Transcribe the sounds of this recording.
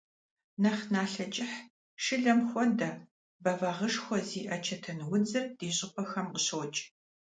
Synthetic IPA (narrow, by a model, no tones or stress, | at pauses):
nɐχnaːɬɐt͡ʃʼɪħ | ʂɨɮɐmxʷɔndɐ | bɐvɐʁəʂxʷɔziːʔɐt͡ʃʰɐtʰɐnwʊd͡zɨrd̥eːɕʼɪpʰɐxɐmqəɕoːt͡ʃʼ